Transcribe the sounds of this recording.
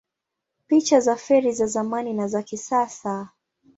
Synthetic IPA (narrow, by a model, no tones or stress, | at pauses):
pit͡ʃazafɛɾizazamaninazakisasa